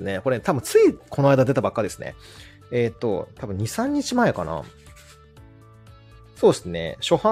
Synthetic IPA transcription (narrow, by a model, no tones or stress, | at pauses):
neko̞ɾet̪ʰabɯ̟̃t͡sɨikʰo̞noaid̪ad̪e̞t̪abakːad̪e̞sɨnḛ | eːt̪ːo̞̰t̪ʰabɯ̟̃ɲ̟isãɲ̟ːit͡ɕimae̞kana̰ | so̞ːssɨne̞̰ɕo̞hã